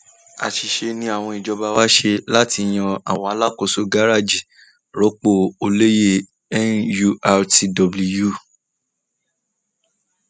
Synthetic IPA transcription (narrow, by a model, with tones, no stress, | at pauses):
a̰˨ʃi˧ʃe˧nĩ˧a˦˨w̃ɔ̃˧i˨d͡ʒɔ˧ba˧wa˦ʃe˧la˦ti˧˨j̃ã˧a̰˨w̃ɔ̃˧˦a˧˦la˦ko˦˨so˧ɡa˦ɾa˦˨d͡ʒi˨ | ɾɔ˨˦k͡po˦˨o˧le˦je˦˨ | ɛ˦nju˧a˧ti˧dɔ˧bli˧ju˦˨